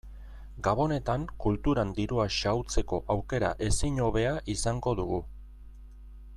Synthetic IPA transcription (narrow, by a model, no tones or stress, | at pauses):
ɡaβo̞ne̞t̪aŋkult̪uɾand̪iɾuaʃawt͡se̞ko̞ʔawke̞ɾa̰ʔe̞siɲo̞β̞e̞aʔisaŋɡo̞ðuɣ̞u